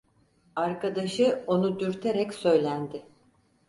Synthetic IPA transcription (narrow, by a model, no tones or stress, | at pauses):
aɾkad̪aʃɯo̞nud̪yɾt̪ʰeɾɛcsø̞jlʲænd̪ɪ